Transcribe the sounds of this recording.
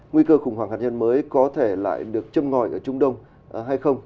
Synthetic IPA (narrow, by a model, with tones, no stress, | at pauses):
ŋwi˧kəː˧xʊ˨˩ŋ͡mhaː˧˩ŋhaː˧˩ɲə˧nməː˨˦jkɔ˨˦t̪ʰe˧˩la̰ː˧˨jɗɨ˨˩ək̚t͡ɕə˧mŋɔ˨˩jʔəː˧˩t͡ɕʊ˧˦ŋ͡mɗə˧wŋ͡m | ɦa˧jxə˧wŋ͡m